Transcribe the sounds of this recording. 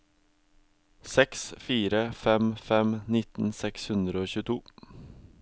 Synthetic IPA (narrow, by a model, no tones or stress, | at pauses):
sɛksfiːɾəfɛmfɛmnɪt̪n̩sɛkshʉnd̪ɾəoːçʉːt̪ʰuː